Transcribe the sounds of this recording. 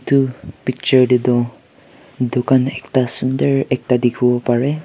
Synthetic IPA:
tupik̚t͡ʃəɹdidɔ̃ | dokanɛktasundəɹɛk̚tadikʰibɔpaɹɛ

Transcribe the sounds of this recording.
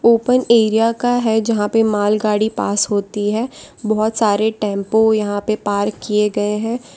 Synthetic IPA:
oːpəneːɾijakaɦɛd͡ʒɐɦãpemaːlɡaːɽipaːsɦoːt̪iɦɛː | bɔɦɔt̪saːɾeʈɛ̃ːmpojɐɦãpepaːɾkːieɡɐeɦɛ̃ː

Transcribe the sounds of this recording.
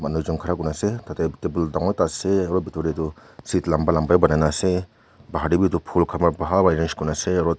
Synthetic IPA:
manud͡ʒɔŋkʰaɾakunasetatekebuldaŋɔjtaseaɾɔbitɔɾitu | sitlambalambajbanajnase | baɦaɾibitupʰulkʰamabaɦabajɾenskunaseaɾɔ

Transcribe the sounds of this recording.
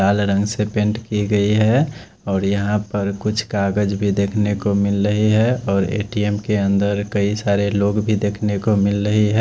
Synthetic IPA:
aːlɾə̃ŋɡsepẽɳʈkiɡəiɦɛ | ɔːɾjəɦãpəɾkʊt͡ʃʰkaːɡəd͡ʒbʱid̪eːkʰnekomɪlɾəɦiɦɛɔːɾḛːʈiemkeə̃nd̪əɾkəisaːɾeloːɡbʱid̪eːkʰnekomɪlɾəɦiɦɛ

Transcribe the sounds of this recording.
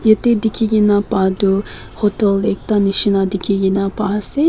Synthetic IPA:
jet̪ed̪ikʰʲiɡʲinapad̪u | hot̪ɛlek̚t̪aniʃinad̪ikʰʲiɡinapasi

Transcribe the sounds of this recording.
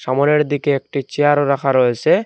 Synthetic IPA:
ʃamoɾeɾd̪ikeek̚ʈit͡ɕeaɾoɾakʰaɾoet͡ɕʰe

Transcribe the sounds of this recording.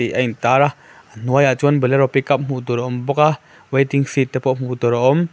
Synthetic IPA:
iʔajntaɾa | ənuajaʔt͡ʃuənbəlɛɾɔpikap̚m̥ut̪ɔɾaʔɔmbɔka | wejtiŋsitːɛpɔʔm̥utɔɾaʔɔm

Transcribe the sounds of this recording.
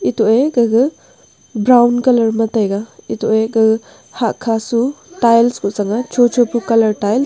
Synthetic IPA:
itoeɡɐɡɯ | bɾawnkɐlɐɾmɐtajɡaitoʔeɡɐɡɯ | hakʰːasutajlskusaŋat͡ʃot͡ʃopukɐlɐɾtajl

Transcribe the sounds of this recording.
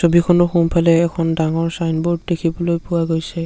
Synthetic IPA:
sobikʰɔnɔxumpʰalɛːkʰɔndaŋɔɹsajnbɔɹd̚dekʰibɔlojpʊwaɡojsɛ

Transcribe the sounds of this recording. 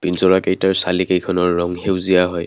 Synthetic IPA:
pinsɔɹakejtaɹsalikejkʰɔnɔɹːɔŋhewzijaɦɔj

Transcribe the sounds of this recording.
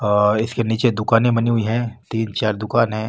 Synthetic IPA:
ɔɪskeniːt͡ʃed̪ʊkaːnẽbɐniɦʊiɦɛ̃ːt̪iːnt͡ʃaːɾd̪ʊkaːnɦɛ̃ː

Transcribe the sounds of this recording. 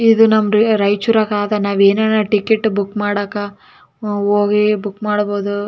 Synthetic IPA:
id̪unɐmɾiɾɐjt͡ʃuɾɐkaːd̪ɐnaːʋeːneːnɐʈikeʈːbukːmaːɽɐka | oːɡibukmaːɽbo̞ːd̪u

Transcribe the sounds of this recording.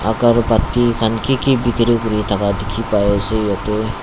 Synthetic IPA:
a̰ɡaɹpat̪ikʰankikibikɾikuɾit̪ʰakadekʰipajɔzejat̪e

